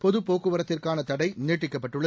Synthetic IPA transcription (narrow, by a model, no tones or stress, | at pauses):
pɔðɯpoːkːɯʋɐɾɐt̪ːɪrkaːnɐt̪ɐɽɐɪneːʈːɪkːɐpːɐʈːɯɭːɐ